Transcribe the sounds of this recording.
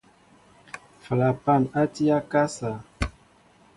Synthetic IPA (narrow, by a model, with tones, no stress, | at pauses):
fə˨la˨pa˦˨ma˦ti˦a˦ka˦sa˨